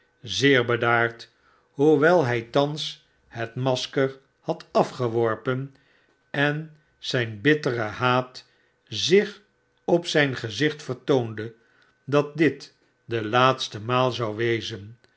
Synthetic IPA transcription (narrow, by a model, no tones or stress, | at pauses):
zɪːɹbədaːɹt | ɦuʋɛlˠɦɛjtɑns | hətmɑskəɹ | hɑtɑfχəʋɔɹpən | ɛn | z̥ɛjnbɪtərəɦaːt | zɪχ | ɔpsɛjnχəzɪχtfəɹtowndə | dɑt̚dɪt | dəlaːtstəmaːlˠzɑwʋejzən